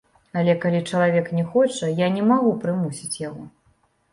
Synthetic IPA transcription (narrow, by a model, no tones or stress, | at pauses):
alʲɛkalʲit͡ʂɐlˠavʲɛknʲɛxɔt͡ʂɐjanʲɛmaɣupɾɨmusʲit͡sʲjaɣɔ